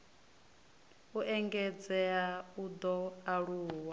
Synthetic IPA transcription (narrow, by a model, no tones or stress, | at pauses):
uʔɛŋɡɛd͡zɛaud̪ɔaɺuːwa